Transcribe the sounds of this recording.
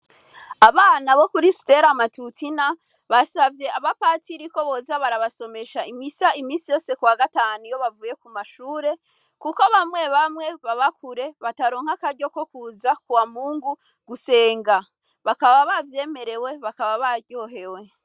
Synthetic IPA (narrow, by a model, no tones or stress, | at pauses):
aβaːnaβo̞kuɾisi̥te̞ɾamatutʰina | βasavje̞aβapaːtiɾiko̞βo̞zaβaɾaβaso̞me̞ʃaimisaimiːsijo̞ːse̞kuwaɡataːnujo̞βavuːje̞kumaʃuːɾe̞ | kukoβamŋe̞βamŋe̞βaβakuɾe̞βataɾo̞ːŋ̥hakaɾɟo̞ko̞kuːzakuwamuːŋɡu | ɡ̥use̞ːŋɡa | βakaβaβavje̞ːme̞ɾe̞we̞βakaβaβaɾɟo̞ːɦe̞we̞